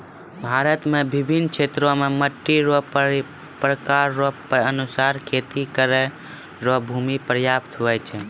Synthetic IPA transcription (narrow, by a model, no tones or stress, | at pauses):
bʱaɾət̪mebibʱinːkʰt͡ʃʰet̪ɾõmeməʈːiɾo | pɾəkaɾːoənusaɾkʰet̪ikəɾɛ | ɾoɦbʱumipɾəjapt̪ɦoɛt͡ʃʰɛ